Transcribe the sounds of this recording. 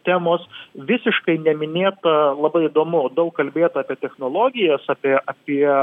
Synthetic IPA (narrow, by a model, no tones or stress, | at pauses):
t̪ʲæːmoːsʋʲɪsʲɪʃkɐɪnʲɛmʲɪnʲeːt̪ɐlˠɐbɐɪɪd̪oːmʊoːd̪ɐʊkːɐlʲbʲeːt̪ɑːpʲiɛt̪ʲɛxnoːlˠoːɡʲɪjɛsɑːpʲiɛʔɑːpʲiɛ